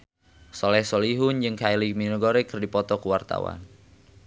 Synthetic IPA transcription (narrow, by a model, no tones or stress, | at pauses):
sɔlɛhsɔliɦʊnd͡ʒɨŋkailiminuɡoɾɛkɨrdipɔt̪ɔkuwart̪a̰wa̰n